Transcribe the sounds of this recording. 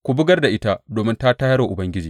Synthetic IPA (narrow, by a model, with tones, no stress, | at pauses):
kʷu˨bʊ˦ɡɐ˦rda˨ʔɪ˦ta˦doː˨mɪ˦nta˦taː˦hɐ˦ɽoː˨ʔʊ˨bɐ˦ŋɡʲɪ˦d͡ʒiː˨